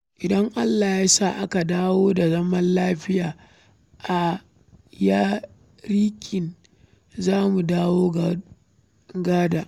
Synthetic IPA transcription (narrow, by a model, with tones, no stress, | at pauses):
ʔɪ˨dɐ˦ŋʔa˦lːaː˨jaː˦saː˦˨ʔa˦ka˨daː˦woː˦da˨zɐ˦mɐ˦nlaː˦ɸɪ˦jaː˨ | ʔa˨ | jaː˦ | ɾiː˦kʲʰɪ˨n | zaː˦mu˨daː˦woː˦ɡa | ɡaː˦daː˨ʔ